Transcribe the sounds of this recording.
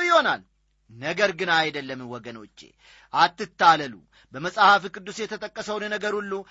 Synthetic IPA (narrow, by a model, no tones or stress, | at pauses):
wjɪho̞na̰l | nəɡəɾɡɨnajd̪əlːəmnwɔɡəno̞̰t͡ʃːḛ | ʔat̪ːɨt̪ːaləlṵ | bəməsʼhafikʼɨd̪ːusjɛt̪ʰət̪ʼəkʼːəsəwnnəɡəɾulːu